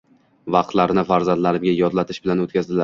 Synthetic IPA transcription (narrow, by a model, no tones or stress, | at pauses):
vɑq̚t̪laɾnɪfaɾzand̪laɾɪmɡʲajɒd̪lat̪ʰɪ̥ʃbɪlanot̪kʲazd̪ɪla